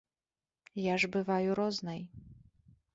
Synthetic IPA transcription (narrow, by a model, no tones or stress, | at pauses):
jaʐbɨvajuɾɔznɐj